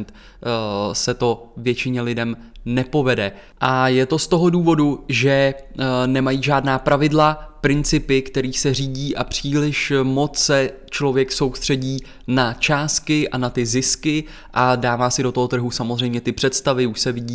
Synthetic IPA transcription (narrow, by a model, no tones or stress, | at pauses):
nt̪ | sɛt̪o̞vjɛt͡ʃɪɲɛlɪdɛmnɛpo̞vɛdɛ | ʔajɛt̪o̞st̪o̞ɦo̞duːvo̞duʒɛ | nɛmajiːʒaːdnaːpɾavɪdlapɾɪnt͡sɪpɪkt̪ɛɾiːsɛr̝iːɟiːʔapr̝̥iːlɪʃmo̞t͡ssɛ | t͡ʃlo̞vjɛkso̞wst̪r̝̥ɛɟiː | nat͡ʃaːst̪kɪʔanat̪ɪzɪskɪ | ʔadaːvaːsɪdo̞t̪oɦo̞t̪r̩ɦusamozr̝ɛjmɲɛt̪ɪpr̝̥ɛt̪st̪avɪuʃsɛvɪɟiː